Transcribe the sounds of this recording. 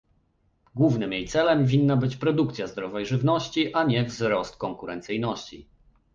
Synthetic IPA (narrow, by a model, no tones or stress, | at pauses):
ɡwuvnɘmjejt̪sɛlɛmvʲinːabɘt͡ɕpɾɔd̪ukt̪sʲjazd̪ɾɔvɛjʐɘvnɔɕt͡ɕiʔaɲɛvzɾɔst̪̚kɔŋkuɾɛnt̪sɘjnɔɕt͡ɕḭ